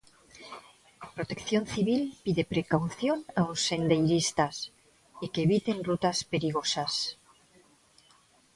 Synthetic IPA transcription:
pɾot̪e̞kθjo̞nθiβilpiðe̞pɾe̞kawθjo̞naosːe̞nd̪ejɾist̪as | ikeeβit̪e̞nrut̪aspe̞ɾiɣ̞osas

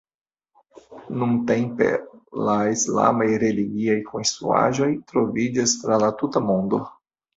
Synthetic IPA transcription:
nunte̞mpe̞̰laisla̰majɾe̞liɡiajkʰonst̪ɾṵa̰ʒo̞jtɾo̞vid͡ʒastɾalatutamo̞ndo̞

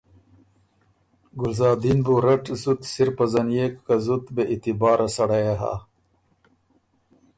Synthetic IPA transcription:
ɡʊlzɑːd̪inbuɾɐʈzut̪siɾpɐzɐnjekkazut̪beʔit̪ibɑːɾʔasɐɽajaɦa̰

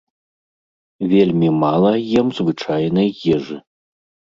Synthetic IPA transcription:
vʲelʲmʲimalˠɐjimzvɨt͡ʂajnɨjjɛʐɨ

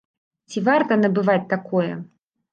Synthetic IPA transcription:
t͡sʲivart̪ɐnɐbɨvat͡sʲt̪akʰɔjɛ

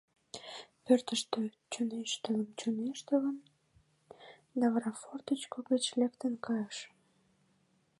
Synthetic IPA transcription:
pørt̪əʃt̪ø | t͡ɕoneʃt̪ələmt͡ɕoneʃt̪ələm | nɑvrɑfort̪ət͡ɕkoɡet͡ɕlekt̪ənkɑjəʃ

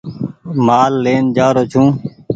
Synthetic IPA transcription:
maːlːeːnd͡ʒaːɾoːt͡ʃʰũː

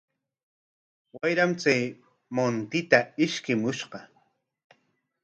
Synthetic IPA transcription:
wajɾamt͡saj | mont̪ɪt̪aɪʃkɪmʊʃɢɑ

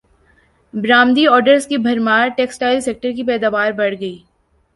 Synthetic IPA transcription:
bɾaːmd̪iɔːɾɖəɾskibʱɐɾmaːɾʈeːksʈaːɪlseːk̚ʈəɾk̬ipɛːd̪aːʋaːɾbɐɽɡɐiː

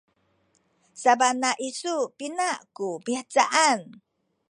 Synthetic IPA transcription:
sabanaʔisupinaʔkubiat͡saʔan

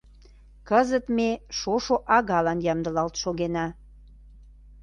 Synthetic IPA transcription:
kəzət̪meʃoʃoʔɑɣɑlɑnjɑmd̪ə̆lɑlt̪ʃoɣenɑ

